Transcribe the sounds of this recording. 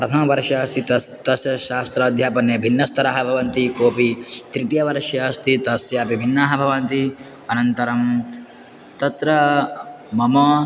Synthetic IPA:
pɾɐt̪ʰɐmɐʋɐɾʃjɐst̪ʰit̪ɐst̪ɐsjɐʃaːst̪ɾɐːd̪ʱjaːpɐnjɐbʱinːɐst̪ʰɐɾaːɦɐbʱɐʋɐnt̪ikoːpit̪ɾit̪jɐʋɐɾʃjɐst̪ʰit̪ɐsjaːpibʱinːaːɦɐbʱɐʋɐnt̪i | ɐnɐnt̪ɐɾɐm | t̪ɐt̪ɾɐ | mɐmɐ

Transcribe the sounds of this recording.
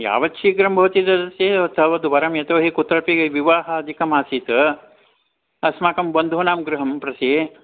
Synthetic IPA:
ja̰ːʋɐtːʃʰiːɡɾɐmbʱɐʋɐt̪id̪ɐd̪ɐsjeːɐt̪ʰɐʋɐd̪uʋɐɾɐmjɐt̪oːɦikut̪ːɾɐpiɡɐʋiʋaːɦɐɐd̪ʱikɐmaːsiːt̪ɐ | ɐsmaːkɐmbɐnd̪ʱunaːmɡɾuɦɐmpɾɐse

